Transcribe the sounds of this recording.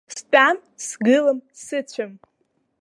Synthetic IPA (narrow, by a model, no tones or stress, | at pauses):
stʼam | sɡɨlɨmsɨt͡ɕʷʰam